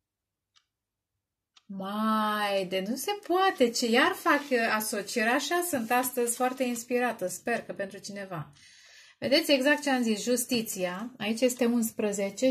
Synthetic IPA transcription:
majd̪enuse̞poat̪e̞t͡ʃejarfakaso̞t͡ʃieɾaʃasɨnt̪ast̪əzʲfoart̪e̞inspiɾat̪əspe̞rkəpe̞nt̪ɾut͡ʃine̞va | ve̞̰d̪et̪sʲe̞ɡzak̚t̪t͡ʃeamzisʒust̪it̪sijaait͡ʃje̞st̪e̞unspɾəze̞t͡ʃe̞

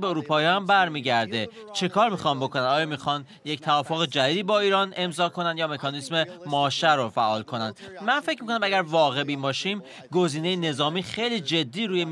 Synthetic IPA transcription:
beoɾuːpʰɒːjæmbæɾmiːɟæɾd̪e̞ | t͡ʃʰe̞kʰɒːɾmiːxɒmbo̞kʰo̞nænd̪ɒːjɒːmixɒn | ject̪ʰævɒːfoɣed͡ʒæd̪iːd̪iːbɒːiːɾɒːne̞mzɒːkʰo̞nænd̪jɒːme̞kʰɒːnisme̞mɒːʃæɾofæʔɒːlkʰo̞nænd̪ | mænfecʰmiko̞næmæɡæɾvɒːɣe̞bimbɒːʃim | ɡo̞ziːnejene̞zɒːmiːxe̞jliːd͡ʒe̞d̪ːiːɾuːje

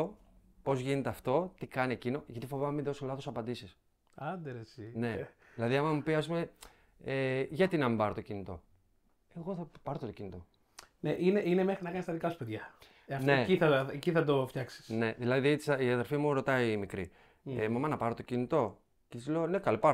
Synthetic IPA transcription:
o | po̞zʝine̞t̪eɐft̪o̞t̪ikɐnie̞cino̞ʝɐt̪ifo̞vɐnɐminðo̞solɐθosɐpɐnd̪isis | ɐnd̪eɾesine̞ | ðilɐðiɐmɐmupiɐs̬pume | eʝɐt̪inɐmibɐɾot̪o̞cinit̪o̞̰ | e̞ɣo̞θɐpɐɾot̪t̪ocinit̪o̞ | neʔineʔinemexɾinɐkɐnist̪ɐðikɐsu̥peðʝɐ | ɐftne̞iθɐeciθɐd̪o̞fçɐksi̥sne̞ðilɐðit̪siɐðe̞ɾfimuɾo̞t̪ɐimikɾḭ | emɐmɐnɐpɐɾot̪ocinit̪o̞ | cesiloone̞kɐlopɐɾ

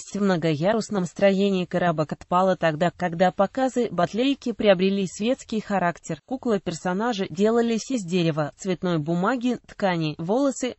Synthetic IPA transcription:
sʲtʲvmnəɡɐjaɾʊsnəmst̪ɾɐjenʲɪːkɐɾabəkɐt̪palˠət̪ɐɡd̪akːɐɡd̪apɐkazɨbɐt̪lʲeɪkʲɪpɾʲɪɐbɾʲɪlʲisʲvʲe̞t̪skʲɪjxɐɾaktʲɪrkuklˠəpʲɪrsɐnaʐɨdʲe̞lˠəlʲɪsʲɪzʲdʲeɾʲɪvət̪svʲɪt̪no̞jbʊmaɡʲɪt̪kanʲɪvo̞lˠəsɨ

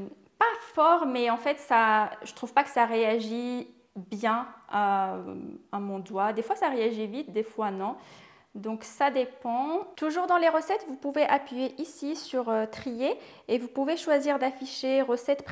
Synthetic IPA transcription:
pafɔʁmɛɑ̃fɛt̪saʒət̪χuvpakə̥saʁeaʒi | bjɛ̃ | amɔ̃d̪wad̪efwasaʁeaʒivit̪d̪efwanɔ̃ | d̪ɔ̃ksad̪epɑ̃t̪uʒuʁd̪ɑ̃leʁəsɛt̪vupuveʔapɥijeʔisisyʁøt̪χije | evupuveʃwaziʁd̪afiʃeʁəsɛt̪p

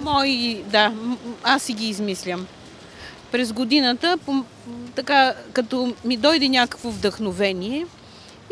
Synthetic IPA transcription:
mɔjid̪aasiɡʲiːzmislʲəm | pɾɛzɡod̪inət̪əpo | t̪ɐkakɐt̪ɔmid̪ɔjd̪ɛnʲakə̥kvovd̪əxnovɛniɛ

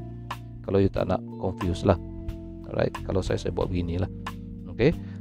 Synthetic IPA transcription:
kalawjut̪a̰ʔna̰ʔkɔɱfjuslah | ɾa̰jt̪̚kalawsajasajabua̰ʔbəɡinilah | oke

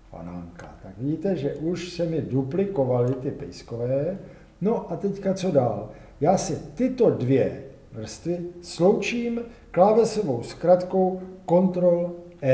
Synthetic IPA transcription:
fa̰na̰ŋka̰t̪akvɪiːt̪ɛʒɛʔuʃsɛmɪduplɪko̞valɪt̪ɪpɛ̰jskovɛː | no̞ʔat̪ɛckat͡so̞daːl | jaːsɪt̪ɪt̪o̞dvjɛ | vr̩st̪vɪslo̞wt͡ʃiːmklaːvɛsovo̞wskɾat̪ko̞wko̞nt̪ɾo̞lʔɛ

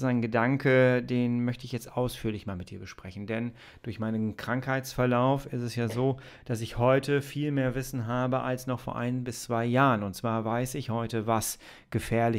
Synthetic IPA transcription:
aɪnɡədaŋkədeːnmœçtəɪçjɛt͡stʔaʊsfyːɐlɪçmaːlmɪt̚d̥iːɐbəʃpʁ̥ɛçn̩dɛn | d̥ʊɐçmaɪnənkʁ̥aŋkhaɪt͡sfɛɐlaʊfɪstɛsjaːzoː | d̥asɪçhɔʏtʰəfiːlmeːɐvɪsn̩ɦaːbəʔa̰lsnɔχfoːɐʔa̰ɪnbɪst͡sv̥aɪjaːʁənʊntt͡sv̥aːɐvaɪsɪçhɔʏtəvas | ɡ̥əfɛːɐlɪ

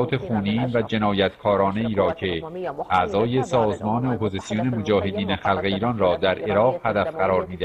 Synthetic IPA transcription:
t̪ʰe̞χuːniːnvæd͡ʒe̞nɒːjæt̪ʰkʰɒːɾɒːne̞iːɾɒːcʰe̞ʔæzɒːje̞sɒːzmɒːne̞opʰo̞zisijone̞mod͡ʒɒːhe̞d̪iːneχælɣe̞iːɾɒːnrɒːd̪æɾʔe̞ɾɒːɣhæd̪æfɢæɾɒːɾmiːd̪eæ

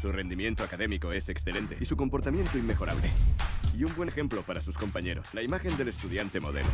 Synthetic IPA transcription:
sure̞nd̪imje̞nt̪oakaðe̞miko̞e̞se̞ksθe̞le̞nt̪e̞isuko̞mpo̞ɾt̪amje̞nt̪oimːexo̞ɾa̰βle̞̰iumbwe̞nxe̞mplo̞paɾasusko̞mpaɲe̞ɾoslaimaxe̞nd̪e̞le̞st̪uðjant̪e̞mo̞̰ðe̞̰lo̰

